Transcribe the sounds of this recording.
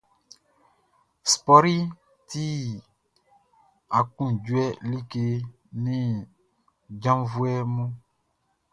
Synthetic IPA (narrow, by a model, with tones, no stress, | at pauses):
spɔ˦ɾi˦ | ti˦ | a˨kũ˦˨d͡ʒu˦ɛ˦li˦ke˨ | nĩ˦ | d͡ʒã˦mvu˦ɛ˦mũ˦